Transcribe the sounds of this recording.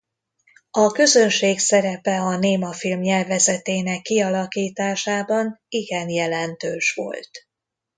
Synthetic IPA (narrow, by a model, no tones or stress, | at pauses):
ɒkø̞zø̞nʃeːksɛɾɛpɛɒneːmɒfilmɲɛlvɛzɛt̪eːnɛkːiɒlɒkiːt̪aːʃaːbɒniɡɛnjɛlɛnt̪øːʃʋo̞̰lt̪